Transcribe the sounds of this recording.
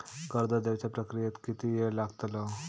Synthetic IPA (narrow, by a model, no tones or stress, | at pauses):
kəɾd̪əd̪eʋt͡ɕjapɾəkɾijet̪kit̪ijelaɡt̪lə